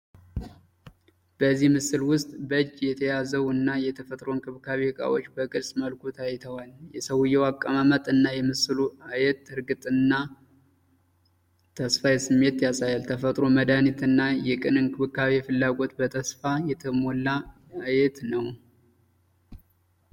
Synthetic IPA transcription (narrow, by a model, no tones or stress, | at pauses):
b̥əzːihmɨsɨlwʊst̪ʼbəɨd͡ʒjɛt̪ʰəjazəwɨnːajɛt̪ʰəfət̪ʼɾo̞ɨnkʰʼɨβkʰaβehɨkʼa̰wo̞̰t͡ʃːbəkʼɨɾsməlkʰʷut̪ʰajt̪ʰəwaljɛsəwjɛwakʼːamamət̪ʼɨnːajɛmɨsɨluajɛt̪ːɨɾɡɨt̪ʼɨnːa | t̪ʰəsfajɛsɨmːe̞t̪jasajalt̪ʰəfət̪ʼɾo̞məd̪anit̪ɨnːajɛkʼɨnɨnkʰɨβɨkːaβefɨlːaɡo̞t̪bət̪ʰəsfajɛt̪ʰəmolːa | ajɛt̪nəw